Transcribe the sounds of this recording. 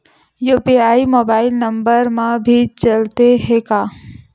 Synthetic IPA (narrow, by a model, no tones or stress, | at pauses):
jopiaːimoːbaːɪlnɐ̃mbəɾmãbʱit͡ʃɐlt̪eɦekaː